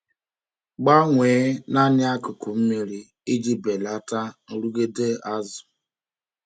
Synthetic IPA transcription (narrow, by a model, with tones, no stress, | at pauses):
ɡ͡ba˦ŋʷeː˨˦na˦nɪ˦a˦kʊ˨kʊ˨m̩˦mi˨ɾi˨ | i˦d͡ʒi˦be˨la˦ta˦n̩˨ɾu˦ɡe˦de˦a˦zʊ̥˨